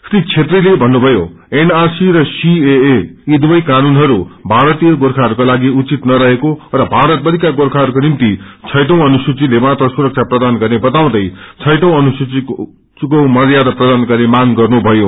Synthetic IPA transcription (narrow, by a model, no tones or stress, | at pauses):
srit͡sʰet̪rilebʱʌnːubʱʌjo | enarsirʌsieːid̪wʌjkanunɦʌɾubʱaɾʌt̪ijʌɡorkʰaɦʌɾukolaɡiut͡sit̪nʌɾʌɦekorʌbʱaɾʌt̪̚bʌd̪ʱikaɡoɾkʰaɦʌɾukonimt̪it͡sʰʌjʈõw̃ʌnusut͡silemat̪ʌsuɾʌk̚t͡sʰaprʌd̪anɡʌrnebʌt̪aw̃d̪ʌjt͡sʰʌjʈʌw̃ʌnusut͡si | komʌɾjad̪ʌprʌd̪anɡʌrnemaŋɡʌrnubʱʌjo